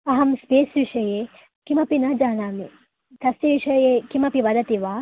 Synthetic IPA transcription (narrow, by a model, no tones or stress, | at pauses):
ɐɦɐmspeːsʋiʂɐjeː | kimɐpinɐd͡ʒaːnaːmi | t̪ɐst̪iʋiʃɐjekimɐpiʋɐd̪ɐt̪iʋaː